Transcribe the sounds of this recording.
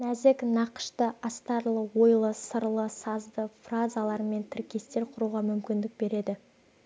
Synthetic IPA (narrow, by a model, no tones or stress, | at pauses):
næzɪknɑqə̥ʃt̪əʔɑst̪ɑɾlˠəwo̞jlˠəsəɾlˠəsɑzd̪əfrazalˠɑɾəme̞nt̪ʰɪɾkʲe̞st̪e̞ɾqʰʊɾuʁɑmʏmkʲɪnd̪ɪk̚be̞ɾe̞d̪ɪ